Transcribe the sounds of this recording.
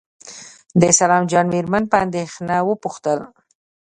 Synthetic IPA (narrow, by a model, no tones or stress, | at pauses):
d̪əsalɑmd͡ʒɑnmeɾmanpəand̪exnawəpuxt̪əl